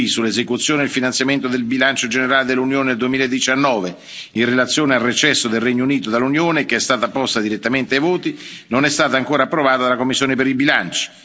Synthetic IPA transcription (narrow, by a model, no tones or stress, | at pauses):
isulːezekut̪sːjoːneilfinant̪sjament̪od̪elbilant͡ʃod͡ʒeneɾaːled̪elːunjoːneeld̪uwemiːlaed̪ːit͡ʃanːɔːve | inrelat̪sːjoːnealret͡ʃɛsːod̪elrɛɲːouniːt̪od̪alːunjoːnekeɛst̪aːt̪apɔst̪ad̪iɾet̪ːament̪eajvoːt̪inonɛst̪aːt̪aːŋkoːɾaːpːɾovaːt̪ad̪alakomːisːjoːnepeɾilbilant͡ʃi̥